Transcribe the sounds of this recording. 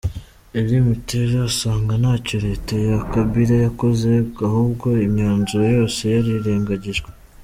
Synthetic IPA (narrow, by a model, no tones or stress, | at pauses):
eɾimiteʒasaːŋɡanaːcoɾe̞ːtajakabiɾajako̞ze̞ahuːbɡo̞imɲaːnzuɾojo̞ːse̞jaɾiɾe̞ːŋɡaɟiʒɡwe